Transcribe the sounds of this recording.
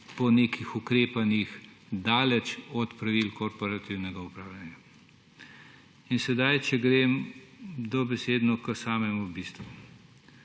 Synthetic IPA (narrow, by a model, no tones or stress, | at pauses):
pɔneːkixukɾeːpanix | d̪aːlɛt͡ʃɔt̪pɾaʋilkɔɾpɔɾat̪iwnɛɡaupɾaːwlʲanja | insɛd̪ajt͡ʃɛɡɾeːm | d̪ɔbɛseːd̪nɔkəsaːmɛmubist̪ʋu